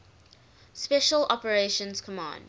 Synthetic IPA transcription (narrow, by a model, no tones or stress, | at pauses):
spɛʃəlɔpəɹeʃə̃nz̥kʰəmɑ̰̃ːnd